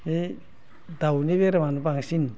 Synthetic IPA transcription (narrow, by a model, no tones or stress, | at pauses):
e | dawniβeɾamanupaŋsin